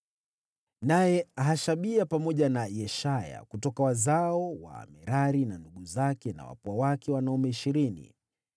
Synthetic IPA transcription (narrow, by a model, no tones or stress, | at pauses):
najɛaɦaʃaɓiapamɔʄanajɛʃaja̰kutɔkawazaɔwa̰mɛɾaɾinanduɠuzakɛna̰wa̰puawakɛwanaumɛiʃiɾinḭ